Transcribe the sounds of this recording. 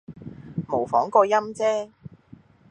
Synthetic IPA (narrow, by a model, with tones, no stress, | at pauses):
mo˨˩wfɔː˨˥ŋkɔː˧jɐ˥mt͡sɛː˥